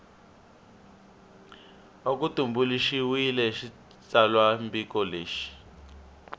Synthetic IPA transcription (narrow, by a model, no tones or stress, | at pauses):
ok̬utumbuliʃiwilɛʃi | t͡salwambikɔleːʃi̥